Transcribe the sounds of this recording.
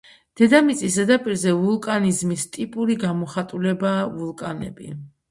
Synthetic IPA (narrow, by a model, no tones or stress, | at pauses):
d̪̥ɛd̪amit̪sʼis̬d̪ɛd̪apʼiɾzɛvulˠkʼanizmist̪ʼipʼuɾiɡamɔχat̪ʼulɛbaːvulˠkʼanɛ̰bḭ